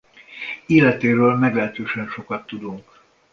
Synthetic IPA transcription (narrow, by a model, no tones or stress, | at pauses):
eːlɛt̪eːɾøːlmɛɡlɛɦɛt̪øːʃɛnʃo̞kɒt̪ːud̪uŋk